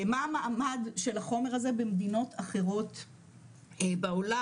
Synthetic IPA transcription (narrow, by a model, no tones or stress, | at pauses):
maːmaʔːmadʃe̞laχo̞me̞ʁaze̞bemd̪ino̞tʰaχe̞ʁo̞t | baola